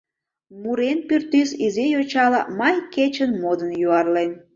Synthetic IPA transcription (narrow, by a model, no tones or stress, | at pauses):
muɾenpyrt̪ːysizijot͡ɕɑlɑmɑjket͡ɕənmod̪ənjuɑrlen